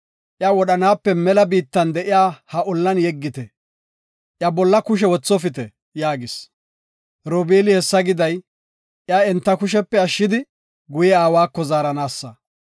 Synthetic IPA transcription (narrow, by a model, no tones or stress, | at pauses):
ʔjawɔɗɐnaːpːɛmɛlɐbiːt̪ːɐnd̪ɛʔɪjaːhɐʔɔlːɐnjɛɡːɪt̪ɛ | ʔjɐbɔlːɐkʊʃ̬ɛwɔt͡sːɔfɪt̪ɛ | jaːɡɪs | ɾobeːlɪhɛsːɐɡɪd̪ɐj | ʔjaːɛnt̪ːɐkʊʃɛpːɛɐʃːɪd̪ɪ | ɡʊjɛaːwaːkːɔzaːɾɐnaːsːɐ